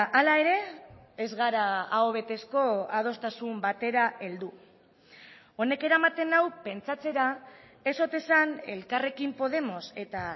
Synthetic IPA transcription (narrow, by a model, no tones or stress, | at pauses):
ʔalae̞ɾe̞ː | zɣaɾaːoβ̞e̞t̪e̞sko̞að̞o̞st̪asumbat̪e̞ɾae̞ld̪u | o̞ne̞ke̞ɾamat̪e̞nawpe̞nt͡sat͡se̞ɾa | e̞so̞t̪e̞sane̞̰lkare̞kimpo̞ð̞e̞mo̞se̞t̪a